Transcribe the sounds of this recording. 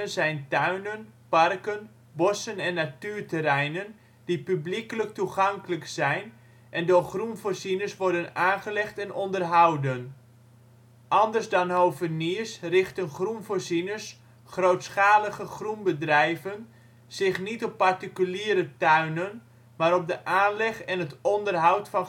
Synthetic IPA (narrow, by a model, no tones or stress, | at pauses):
ənzɛjntœɥnənpɑrkən | bɔsənɛnːatyːrtəɾɛjnən | dipyblikələk̚tuχɑŋkələksɛjn | ʔɛndorχrunvoɹsinəsʋɔɹdənaːnχəlɛχtɛnɔndərɦɑwdən | ʔɑndərsdɑnɦowvəniəsrɪχtənχrunvoːɹzinəs | χrowtsχaːləχəχrunbədrɛjvən | z̥ɪχnitɔpːartikyliːɾətœɥnən | maːɾɔp̚dəʔaːnlɛχɛnɦətɔndərɦawtfɑn